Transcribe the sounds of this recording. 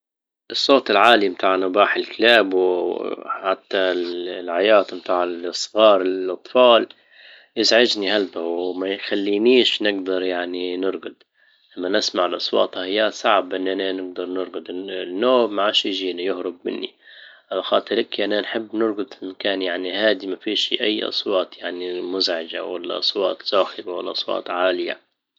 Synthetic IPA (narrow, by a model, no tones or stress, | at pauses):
ʔɨsˤːoːt̪ˤɪlʕaːlimt̪ʰaːʕnʊbaːħɪlklaːbw | ħat̪ːalʕajaːt̪mt̪aːʕɪlʔɑsˤɣɑːɾˤɪʔɑt̪ˤfɑːl | jɪzʕɪd͡ʒnihalbawmajxalːiːniːʃnɪɡd̪ɑɾˤjaʕninɪɾˤɡʊd̪ | lamːanɪsmaʕɪlʔɑsˤwɑ̰ːt̪ˤhajːaːsˤɑʕbʔɪnːʔananɪɡ̚d̪ɑɾˤnɪɾˤɡʊd̪ɪnːoːaʕaːʃjʒiːnajʊhɾʊb̚mɪ̰nːḭʔalaxɑːt̪ˤɨɾlɪkʔananħɪbːnɪɾˤɡʊd̪ɪnkaːnjaʕnihaːd̪imafiːʃiʔajːʔɑ̰sˤwɑːt̪ˤjaʕnimʊzʕɪd͡ʒa̰wa̰lːa̰ʔɑ̰sˤwɑːt̪ˤz̥aːxɪbawa̰lːʔɑsˤwɑ̰ːt̪ˤʕaːlɪja̰